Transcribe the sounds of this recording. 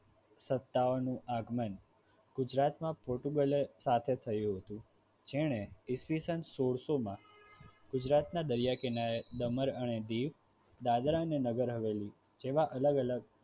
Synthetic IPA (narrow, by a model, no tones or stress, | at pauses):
sət̪ːaʋnũʔaɡmən | ɡ̥ʊd͡ʒɾat̪mãpoɾʈuɡəlesat̪ʰet̪ʰəjũɦət̪ũ | d͡ʒeɽ̃eɪsʋisənsoɽsomã | ɡ̥ʊd͡ʒɾat̪nad̪əɾjakenaed̪əməɾəned̪iʋ | d̪ad̪ɾaənenəɡəɾɦəʋeli | d͡ʒeʋaʔələɡələɡ